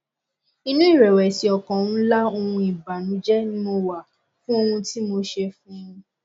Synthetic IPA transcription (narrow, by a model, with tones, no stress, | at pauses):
i˧nũ˦i˦˨ɾɛ˨wɛ˨si˨˦ɔ˨kã˨ũ˦la˦o˧hũ˧i˨ba˨nũ˨˦d͡ʒɛ˦nĩ˦o˧wa˨ | fũ˦o˧hũ˧ti˦mo˧ʃe˧fũ˦ũ˧